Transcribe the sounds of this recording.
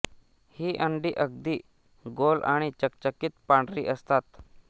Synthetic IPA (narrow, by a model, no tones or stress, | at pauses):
hiːʔəɳɖiːʔəɡ̚d̪iː | ɡola̰ɽ̃it͡ɕək̚t͡ɕəkiːt̪paɳɖɾiːʔəst̪at̪